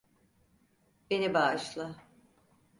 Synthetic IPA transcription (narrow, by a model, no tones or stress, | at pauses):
b̥enibaːʃlˠa